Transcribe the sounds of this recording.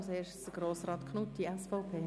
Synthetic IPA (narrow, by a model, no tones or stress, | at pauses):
mseːʃtsɡ̥ɾoːsɾɑːt̪kʰnut̚d̥iɛsfɔʊpʰeː